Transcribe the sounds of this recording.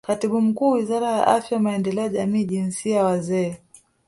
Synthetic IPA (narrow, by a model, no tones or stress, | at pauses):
katiɓum̩kuːwizaɾaja̰ʔafjawamaɛndɛlɛɔaʄamiːʄinsiajawazɛː